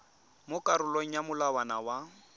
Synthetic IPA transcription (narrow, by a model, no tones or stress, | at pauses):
mʊkʼaɾʊloŋ̩jamʊlawanawa